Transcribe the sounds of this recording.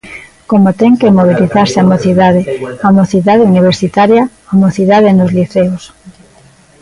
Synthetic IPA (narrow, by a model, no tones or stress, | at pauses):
komot̪ɛŋkemoβ̞iliθaɾseamoθiðað̞eamoθiðað̞euniβ̞eɾsit̪aɾja | amoθiðaðenozliθeos